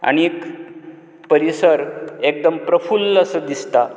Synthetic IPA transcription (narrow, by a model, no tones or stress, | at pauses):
a̰ñiːk | pəɾisəɾek̚d̪əmpɾəfuləsəd̪ist̪a